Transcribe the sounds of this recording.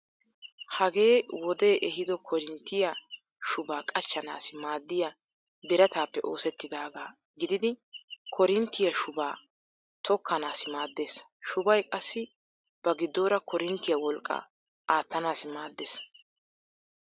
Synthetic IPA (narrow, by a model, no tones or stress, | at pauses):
hɐɡe̞ːwɔd̪e̞ːʔɛɦɪd̪ɔkʰɔɾɪnt̪ːɪjɐ | ʃʊbaːkʼɐt͡ʃːɐna̰ːsɪmaːd̪ːɪjɐ | bɛɾɐt̪aːpːɛʔo̞ːsɛt̪ːɪd̪aːɡaː | ɡɪd̪ɪd̪ɪkʰɔɾɪnt̪ːɪjɐʃʊbaː | t̪ʰɔkʰːɐnaːsɪmaːd̪ːe̞ːsʃʊbɐjkʼɐsːɪ | b̥ɐɡɪd̪ːoːɾɐkʰɔɾɪnt̪ːɪjɐwɔlkʼːɐ̰ | ʔaːt̪ːɐnaːsɪmaːd̪ːeːs